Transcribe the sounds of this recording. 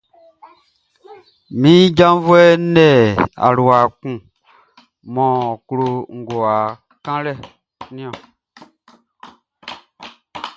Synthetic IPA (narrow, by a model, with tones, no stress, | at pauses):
mĩ˦d͡ʒã˦vu˦ɛ˦nɛ˦˨a̰˨ɾu˨a˨kũ˨ | mɔ̃˨ku˨ɾo˨ŋ̩˨ɡo˨a˨ | kã˦lɛ˦˨ | nĩ˦ɔ̃˨